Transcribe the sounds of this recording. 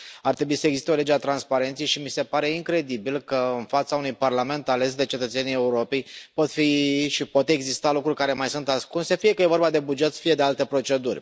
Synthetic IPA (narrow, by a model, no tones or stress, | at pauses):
art̪ɾe̞buisəeɡzist̪eo̞le̞d͡ʒeat̪ɾanspaɾe̞nt̪sejʃimise̞paɾe̞iŋkɾe̞d̪ibilkəɨnfat̪saunujparlame̞nt̪ale̞s̬d̪e̞t͡ʃe̞t̪ət̪se̞nijeuɾo̞pe̞jpo̞t̪fiʃipot̪e̞ɡzist̪alukɾurʲkaɾe̞majsunt̪askunse̞fije̞kəjevo̞rbad̪e̞bud͡ʒe̞t̪sfije̞d̪e̞alt̪e̞pɾo̞t͡ʃe̞d̪urʲ